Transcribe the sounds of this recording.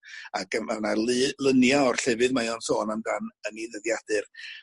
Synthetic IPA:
aɡəmanalˠɨlˠənjaɔr̥ɬɛvɨðmajɔnsoːnamɡanəniðəðjadɨr

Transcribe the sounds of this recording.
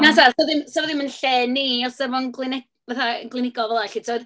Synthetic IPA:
nasarsoðɪmsoðɪmənɬɛːnːiɔsɛvɔnɡlˠɨnɛ | vaθaəɡlˠɨnɪɡɔvɛlˠaɬitʰoːð̥

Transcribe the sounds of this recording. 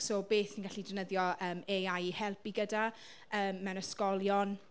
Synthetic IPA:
sobeːθinɡaɬidənəðjɔəːmeajihɛlˠpiɡəda | əːmːɛwnəskɔlˠjɔn

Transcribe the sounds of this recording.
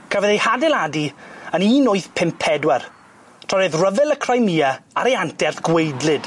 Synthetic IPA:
kʰəvəðejhadɛladiəniːnʊɨθpʰɪmpʰɛdwɛr | tʰɔɾɨðrəvɛlˠəkʰrajmiːaaɾejantɛrθɡ̥wejdlɨd̥

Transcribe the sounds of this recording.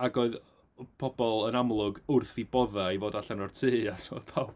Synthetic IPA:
aɡoɨð | pʰɔbɔlˠənamlˠʊɡʊrθibɔðaivoːdaɬanɔrtʰɨːasʰo̰ðpʰawb

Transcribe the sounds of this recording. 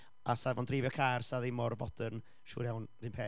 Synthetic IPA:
asavɔndrɪːvjɔkʰarsaðɪmɔrvɔd̥ən | ʃṵːɾjawnr̥iɨːnpʰeː

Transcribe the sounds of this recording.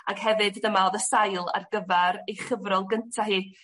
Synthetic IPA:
aɡ̥hɛvɨdðəmaoːðəsajlˠa̰rɡəvɛɾejχəvrɔlˠɡəntʰaɦiː

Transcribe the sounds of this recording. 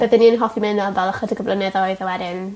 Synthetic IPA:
b̥əðɛnːiənɦɔfimɛnɔnvɛlˠəχədəɡəvlˠənɛðɔɨðəwɛdɪn

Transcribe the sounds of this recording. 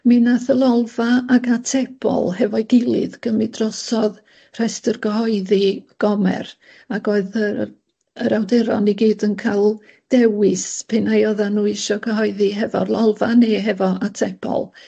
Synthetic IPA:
mɪnaθəlˠɔlˠvaaɡatʰɛpʰɔ̰lˠhɛvɔjɡɪlˠɨ̰ðɡ̥əmɪdrɔsɔð | r̥ɛstərɡ̥əhɔɨðiɡ̥ɔmɛ̰r | aɡoːɨðə | əɾawdɛɾɔ̰niɡiːdənkʰalˠ | d̥ɛwɪspʰenajɔðanuːɪʃɔɡʰəɦɔɨðiɦɛvɔ̰lˠɔlˠvaneɦɛvɔatʰɛpʰɔ̰lˠ

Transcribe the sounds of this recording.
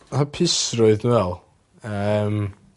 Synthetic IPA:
hapʰɪsrʊɨðnwɛlˠ | əm

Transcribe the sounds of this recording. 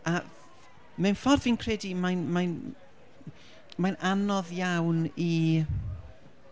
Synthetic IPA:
a | mɛwnfɔrðviːnkʰrɛdimajnmajn | majnanɔðjawni

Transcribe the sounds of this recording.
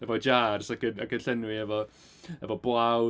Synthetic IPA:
ɛvɔd͡ʒaːrsakənakənɬɛnwiɛvɔ | ɛvɔblˠaw

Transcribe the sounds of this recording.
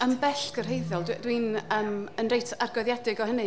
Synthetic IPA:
əmbɛɬɡ̥ərɦejðɔlˠddwinəːmənrejtʰarɡɔðjadɪɡɔhənɨ

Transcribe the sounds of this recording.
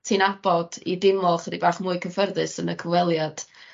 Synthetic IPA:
tʰiːnab̥ɔd̥idɪmlˠɔχədibaːχmuːɨkʰəfərðɨsənəkʰəvwɛlˠjad̥

